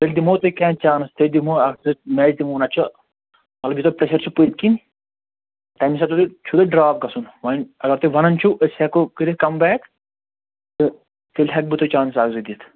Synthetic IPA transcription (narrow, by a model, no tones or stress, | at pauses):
t̪elʲd̪imoːt̪okãːt͡ʃaːnst̪ʰelʲd̪imoɐɡ̪ɨmɛːd͡ʒd̪imoːnɐt͡ʃʰo | mɐt̪lɐbjit̪opɾeʃɐɾt͡ʃʰupɨt̪̚kin | t̪ɐːmis̬ɐt̪od̪ut͡ʃʰud̪ɐɖɾaːp̚ɡɐsunʋɐnɐɡɐɾt̪ɨʋɐnɐnt͡ʃʰuʔəsekokɨɾikɐmbɛːk | t̪ɨ | t̪ʰilʲʰɐk̚bɨt̪ot͡ʃaːnsaːɡzɨd̪it̪ʰ